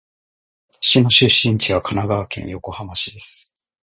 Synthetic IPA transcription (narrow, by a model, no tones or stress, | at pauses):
ɕino̞ɕɨɕːĩɲt͡ɕiβakʰanaɡaβːkẽ̞ɰ̰̃jo̞ko̞hamaɕid̪e̞sɨɨ̥